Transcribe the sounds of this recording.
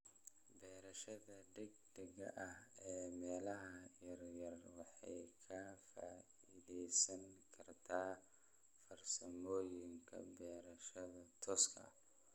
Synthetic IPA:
bɛːɾɐʃɐðɐd̪ɛɡ̚d̪ɛɣɐ̰ʔɐhɛːmɛːlɐɦɐjɐrjɐrwɑħɑ̰jkʰɐfa̰ː | iðɛjsɐŋkʰɐrt̪ʰaː | fɐrsɐmɔːjɪŋkʰɐ̰bɛːɾɐʃɐðɐt̪ʰɔːskʰɐ̰

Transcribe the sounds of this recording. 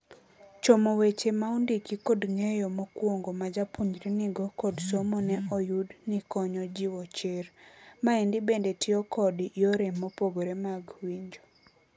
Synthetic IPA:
t͡ʃomowet͡ʃemaundikikodŋejɔmokwoŋɡomad͡ʒapuɲd͡ʒɾinɪɡɔkɔdsomonɛʔɔjudnikɔɲɔd͡ʒiwɔt͡ʃeɾmaendibendetɪɔkʰɔdjoɾemːopoɡoɾemaɡwiɲd͡ʒo

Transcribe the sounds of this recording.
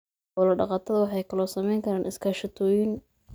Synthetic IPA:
ɔlɐɖɑqɑːt̪ʰɐðɐwɑħɑjkʰɐlɔːsɐmɛjŋkʰɐɾaːnʔɪskʰaːʃɐt̪ʰɔːjɪn

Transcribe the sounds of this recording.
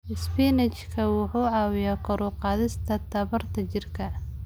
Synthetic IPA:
ʔɪspiːnɛt͡ʃkʰɐwʊħuːʕɑːwɪjaːkʰɔɾʊqɑːðɪst̪ʰɐt̪ʰɐβɐrt̪ʰɐt͡ʃɪrkʰɐ

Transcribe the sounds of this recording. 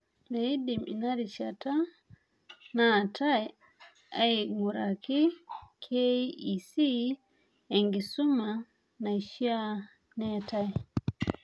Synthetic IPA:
mejidimḭnaɾiʃata | nataj | ajmuɾakikʰeisi | eŋɡisumːa | najʃia | nɛtaj

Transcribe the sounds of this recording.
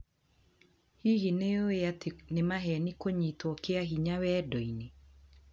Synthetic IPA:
hiɣineoeatnɪmaɦɛnikoɲitwɔkeaɦiɲawɛdoine

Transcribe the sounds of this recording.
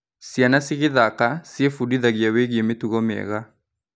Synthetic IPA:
sjanasɪɣɪðakasiefudiðaɣiaweɣjemetuɣɔmɛ̰ɣa

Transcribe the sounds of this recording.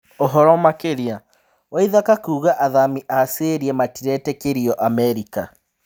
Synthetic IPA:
oɦɔɾɔmakeɾia | waiðakakuɣaʔaðamiʔaseɾiɛmatiɾɛtɛkeɾiɔʔamɛɾika

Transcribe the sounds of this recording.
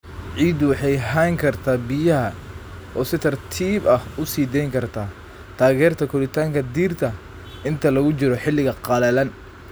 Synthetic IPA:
ʕiːd̪ʊwɑħɑjɦaŋkʰɐrt̪ʰaːbɪjɐɦɐ | ɔːsɪt̪ʰɐrt̪ʰiːbɐhʊsiːd̪ɛjŋkʰɐrt̪ʰaː | t̪ʰaːɣɛːrt̪ʰɐkʰʊlɪt̪ʰaːŋkʰɐd̪iːrt̪ʰɐ | ɪnt̪ʰɐlɐɣʊt͡ʃɪɾɔħɪlːɪɣɐqɑlɐlɐn

